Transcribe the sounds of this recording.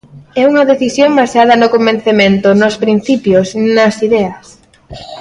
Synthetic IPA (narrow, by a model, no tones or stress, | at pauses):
ɛuŋɐðeθisjoŋbasað̞ɐnʊkombẽn̟θemẽnt̪ʊnʊspɾin̟θipjosnɐsiðɛɐs